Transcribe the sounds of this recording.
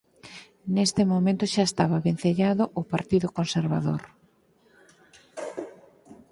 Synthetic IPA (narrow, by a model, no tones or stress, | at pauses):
nest̪ɪmomẽnt̪ʊʃaest̪aβaβen̟θeʎaðʊʔʊpaɾt̪iðʊkonseɾβa̰ðo̰ɾ